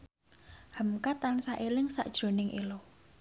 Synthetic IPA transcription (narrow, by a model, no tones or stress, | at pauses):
həmkat̪ansaʔelɪŋsa̰ʔd̥ʒ̥ɾo̤nɪŋʔḭlo